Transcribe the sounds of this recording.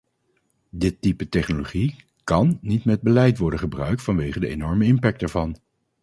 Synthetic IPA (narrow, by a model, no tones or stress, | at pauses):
dɪtːipətɛχnoloχi | kɑnːitmɛd̚bəlɛjtʋɔɹdənχəbrœ̰ɥk̚tfɑnʋejχədəenɔɹməɪmpɛk̚tɛɹvɑn